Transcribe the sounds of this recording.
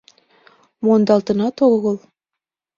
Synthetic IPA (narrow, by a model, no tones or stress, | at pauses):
mond̪ɑlˠt̪ɤ̆nɑt̪oɣɤlˠ